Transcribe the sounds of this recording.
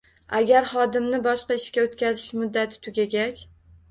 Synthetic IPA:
aɡʲaɾχɒd̪ɪmnɪbɒʃqɑɪʃkʲaot̪kʲʰazɪʃmʊd̪ːat̪ʰɪ̥t̪ʰʊɡʲaɡʲat͡ʃʲ

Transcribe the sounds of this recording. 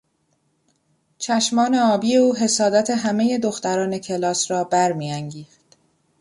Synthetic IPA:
t͡ʃʰæʃmɒːne̞ɒːbiːje̞uːɦe̞sɒːd̪æt̪ʰe̞ɦæmeje̞d̪o̞xt̪æɾɒːne̞cʰe̞lɒːsɾɒːbæɾmiæŋɟiːxt̪

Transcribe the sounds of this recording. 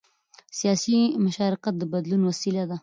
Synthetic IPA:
sijɑsimʊʃɑɾɪqat̪̚d̪əbad̪lunwasilad̪a

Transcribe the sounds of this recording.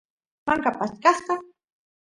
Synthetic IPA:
maŋkapaskɑsqɑ

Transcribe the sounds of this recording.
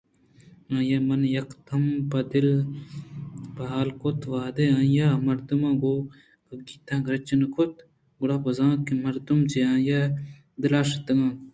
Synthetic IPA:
ãːjɐmɐnjɐkt̪ʰɐmpɐd̪il | bɐɦaːlkot̪ʰʋaːd̪eãːjamɐɾd̪umãːɡo | ɡɐɡiːt̪ãːɡɾɐt͡ʃɐnɐkʰot̪ | ɡuɽaːpɐzãːkimɐɾd̪umt͡ʃeãːja | d̪ilaːʃɐt̪ɐŋãː

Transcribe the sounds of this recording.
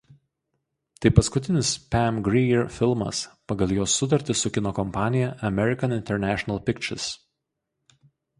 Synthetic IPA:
t̪ɐɪpɐskʊt̪ʲɪnʲɪspʲæmɡɾʲɛjɪɾfʲɪlˠmɐ̰spɐɡɐlˠjoːsːʊt̪̬ɐɾʲt̪ʲɪsʊkʲɪnoːkɔmpɑːnʲɪjɛʔɐmʲɛɾʲɪkɐnɪnʲt̪ʲɛɾʲnʲæːʃʲɔnɐlˠpʲɪkt͡ʃʲɛ̰ɾs

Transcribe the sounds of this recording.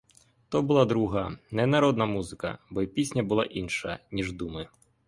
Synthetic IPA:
t̪ɔbʊlˠad̪ɾuɦɐnɛnɐɾɔd̪nɐmuzɪkɐ̰bɔipʲisʲnʲɐbʊlˠa̰ʔinʃɐnʲiʐd̪umɪ

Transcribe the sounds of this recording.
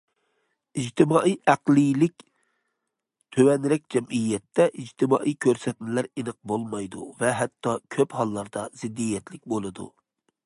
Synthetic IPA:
id͡ʒt̪ʰɪmɑːʔijʔæqlijlɪkʲ | t̪ʰøwɛnɾɛk̚ʲd͡ʒɛmijːɛt̪ːɛʔid͡ʒt̪ʰɪmɑ̰ːʔijkʲʰøɾsɛt̪̚nɪlæɾinəq̚bolˠmɑjd̪uvɛɦɛt̪ʰːɑkʲʰøphɑlˠːɑɾd̪ɑz̥ɪd̪ːijɛt̪lɪk̚ʲbolˠɨd̪ṵ

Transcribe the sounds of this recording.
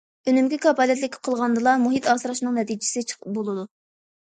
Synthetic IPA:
ønymkʲikʰɑpɑːlˠjɛt̪lɪkʲʰqʰəlˠʁɑnd̪ɨlˠɑmuɦit̪ɑːsɨɾɑʃnɨŋnɛt̪id͡ʒɪsɪt͡ʃʰə̥qʰəbolˠɨd̪u

